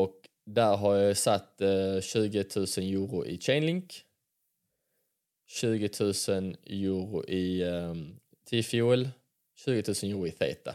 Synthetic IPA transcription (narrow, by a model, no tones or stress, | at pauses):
ɔk | d̪æɾɦaɾjɑsat̪ːɕʉ̟ːɡət̪ʰʉ̟ːsənjuːɾʊʔɪ̰t͡ʃʰɛnlɪŋk | ɕʉ̟ːɡət̪ʰʉ̟ːsənjuːɾʊ̰ʔɪ | t̪ʰɪfjuːl | ɕʉ̟ːɡət̪ʰʉ̟ːsənjuːɾʊɪθḛːt̪a̰